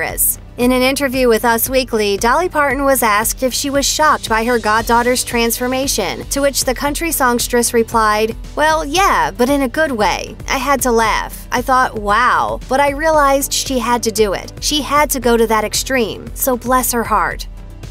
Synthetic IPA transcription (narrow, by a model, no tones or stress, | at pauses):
ɨ̰s | ɨ̃nɨ̃nɪ̃ntə˞vjʉwɨðʌswiklidɑlˠipʰɑɹʔn̩wʌzæsk̚tɨfʃiwʌz̥ʃɑk̚t̚b̥aɪə˞ɡɑdɔɾə˞z̥tʰɹ̥æ̃nsfə˞meɪʃɨ̰̃ntʰɨwɨt͡ʃðɨkʰʌ̃nt͡ʃɹ̥isɔ̃ŋstɹ̥ɨsɹɨpʰl̥aɪd̚ | wɛlˠjæb̥ʌɾɨ̃nɨɡʊd̚weɪ | ʔa̰ɪɨd̚tʰəlæ̰fʔaɪθɔt̚waʊb̥ʌɾaɪɹiəlaɪzd̥ʃiɨd̚tɨdɨɪ̰tʃiɨd̚tʰɨɡoʊɾɨðɨɾɨkstɹ̥ĩm | soʊblɛshə˞hɑ̰ɹt